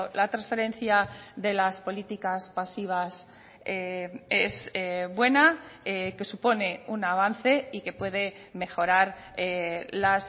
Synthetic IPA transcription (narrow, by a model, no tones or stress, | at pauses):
lat̪ɾãnsfe̞ɾẽ̞nθjaðe̞laspo̞lit̪ikaspasiβ̞as | ee̞seβwe̞naeke̞supo̞ne̞unaβ̞anθe̞ike̞pwe̞ð̞e̞ | me̞xo̞ɾaɾelas